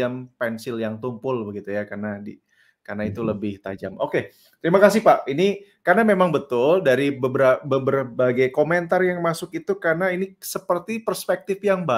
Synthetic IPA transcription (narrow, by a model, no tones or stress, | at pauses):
ampɛnsɪljaŋt̪umpʊlbəɡit̪ujakarnadi | karnait̪uləbɪht̪a̰d͡ʒamoke | t̪əɾimakasɪhpaʔinikarnamemaŋbət̪ʊldaɾibəbɾabəbərbaɡajkoment̪arjaŋmasʊkit̪ukarnainisəpərt̪ipərspɛk̚t̪ɪfjaŋba